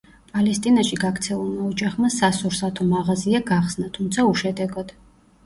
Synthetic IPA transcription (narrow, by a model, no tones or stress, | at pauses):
pʼalɛst̪ʼinaʃiɡaɡɾt̪sʰɛulˠmaɔd͡ʒaχmasasɔɾsat̪ʰɔmaʁaziaɡaχsnat̪ʰumt̪sʰauʃɛd̪ɛɡɔd̪̥